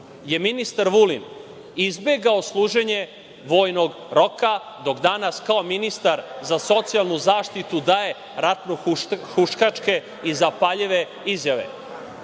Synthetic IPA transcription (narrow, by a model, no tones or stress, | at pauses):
je̞minist̪aɾʋulin | izbeɡaoslˠuːʒe̞ɲe̞ | ʋo̞ːjnoɡ | ɾo̞ka | d̪o̞ɡd̪anaskaominist̪aɾzaso̞t̪sialˠnuzaːʃt̪it̪ud̪ae̞ | ɾat̪nuxuʃkat͡ʂke̞ | izapaʎeʋe̞ | izjaʋḛ